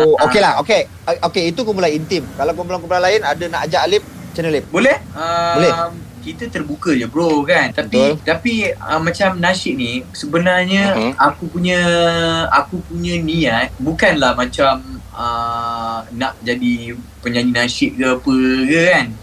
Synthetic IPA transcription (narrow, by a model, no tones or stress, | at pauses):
okelahoke | okeit̪ukumbulaint̪imkalawkəmblaŋkəpɾanlaɪnadənaʔad͡ʒaʔalɪp̚ | t͡ʃənəlɪp̚bolɛhəlɛm | kit̪ət̪ərbukəd͡ʒəbɾokant̪apit̪apiəmːãt͡ʃamnãʃɪʔ̚nisəbənarɲəakupuɲə̃ | akupuɲə̃niat̪̚bukanlahmãt͡ʃam | ə | naʔd͡ʒadipəɲãɲinasɪʔ̚kəpəkəkan